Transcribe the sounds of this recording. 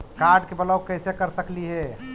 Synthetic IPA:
kaɾɖkebələkəɪsekəɾsəkliɦɛ

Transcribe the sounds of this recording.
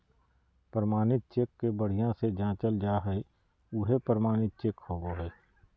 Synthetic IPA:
pɾəmaːnɪt̪̚t͡ʃeːkːebəɽ̤ijãsed͡ʒãːt͡ʃəld͡ʒaːɦɛe | ʊɦepəɾəmaːñɪt̪̚t͡ʃeːkhoːɡoːɦɛː

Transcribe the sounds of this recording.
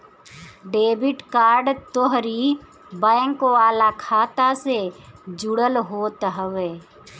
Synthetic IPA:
ɖeːbɪʈkaːɾɖt̪oɦɾi | bə̃ɪŋkoaːlakʰaːt̪ased͡ʒʊɽəlɦoːt̪ɦəʋeː

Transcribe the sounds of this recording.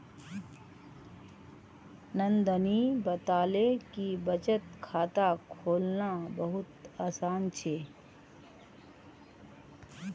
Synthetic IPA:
nə̃nd̪ənibət̪aːlekibət͡ʃət̪̚kʰaːt̪akʰoːlnabəɦʊt̪aːsaːnt͡ʃʰeː

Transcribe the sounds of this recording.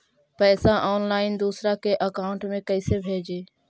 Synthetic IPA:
pɛːsaʔɔːnlaːɪnd̪uːsɾakeʔəkaːʊɳʈmẽkəɪsebʱeːd͡ʒeː

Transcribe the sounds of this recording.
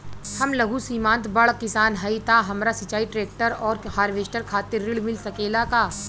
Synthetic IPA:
hɐmlɐɡusiːmãːnt̪bɐɭkɪsaːnɦɐit̪aɦɐmɾasɐt͡ʃaːiʈɾeːk̚ʈəɾɔːɾhaːɾʋeːʃʈəɾkʰaːt̪ɪɾːɪɭmɪlsɐkeːlakaː

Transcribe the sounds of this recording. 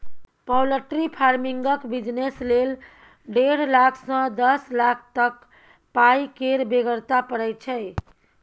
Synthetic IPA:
pəwləʈɾipʰaɾmiŋɡəkbid͡ʒneslel | ɖeɽlakʰsə̃d̪əslakʰt̪ək | pajkeɾbeɡəɾt̪apəɽɛjt͡ʃʰɛ

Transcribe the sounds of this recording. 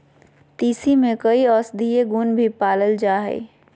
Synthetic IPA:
t̪iːsimẽkɐiɔːsd̪ʱijeɡuːnbʱipaːləld͡ʒaːɦɛ̰ː

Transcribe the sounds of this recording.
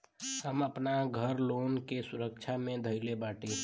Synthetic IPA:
həməpnaɡʱəɾlonkesuɾək̚t͡ʃʰamẽd̪ʱəɪlebaʈĩ

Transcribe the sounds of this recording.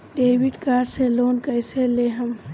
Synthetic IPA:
ɖeːwiɖkaːɾɖseloːnkəjseleɦəm

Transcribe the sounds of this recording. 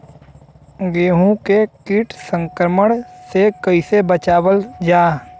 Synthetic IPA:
ɡeːɦũkekɪʈʰsə̃ŋkɾəməɽ̃sekəɪsebət͡ʃaːwəld͡ʒaː

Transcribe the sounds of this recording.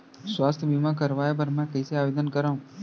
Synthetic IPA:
sʋast̪ʰbimãk̬əɾʋajabəɾmɛ̃kəiseaʋed̪ənkəɾaɦũ

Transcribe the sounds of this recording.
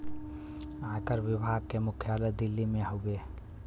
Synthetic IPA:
ãkəɾbɪbʱaɡ̚kemʊkʰjaled̪ɪlːimẽɦobe

